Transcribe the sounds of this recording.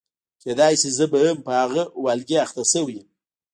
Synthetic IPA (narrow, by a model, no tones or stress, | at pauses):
kʰʲed̪ɑjsizəbajəmpəhaɣəwalɡʲeaxt̪asəwim